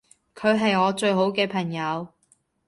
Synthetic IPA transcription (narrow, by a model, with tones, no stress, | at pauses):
kʰɵ˨˧ɥɦɐ˨jɔː˨˧t͡ʃɵ˧ɥɦo˨˥wkɛː˧pʰɐ˨˩ŋjɐ˨˧w